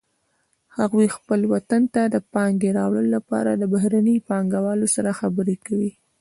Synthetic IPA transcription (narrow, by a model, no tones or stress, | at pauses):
haɣwixpəlwat̪ant̪ad̪əpɑŋɡ̪eɾɑwɽəloːapɑ̰ɾad̪əbaɦɾanəpɑŋɡawɑlosaɾaxabəɾekawi